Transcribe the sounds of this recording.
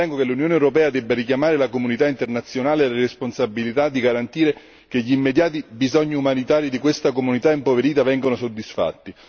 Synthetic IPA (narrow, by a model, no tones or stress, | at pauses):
ɛŋɡokelːunjoːnewɾopɛːad̪ɛbːaɾikjamaːɾelakomunit̪aint̪ernat̪sːjonaːleleɾesponsabːilit̪ad̪ːiɡaɾant̪iːɾe | keʎiːmːed̪jaːt̪ibizɔɲːiumanit̪aːɾid̪ikwest̪akomunit̪aimpoveɾiːt̪avɛŋɡonosod̪ːisfa̰t̪ːi